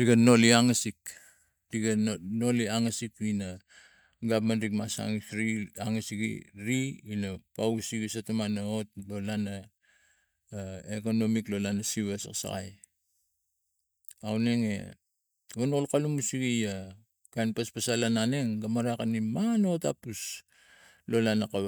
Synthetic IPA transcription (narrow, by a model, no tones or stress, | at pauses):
diɡano̞liaŋasik | diɡano̞liaŋasikina | ɡapmanɾikmasa̰ŋisɾiaŋasikḭɾiinapausiɡisatamanaot̚lo̞lana | eko̞no̞miklo̞lanasiβesa̰ksa̰ɡa̰j | awne̞ŋe̞̰ | ɡanoolkalumusiɡija | kajnpaspasalanane̞ŋɡamaɾakanimano̞ta̰pus | lo̞lanaka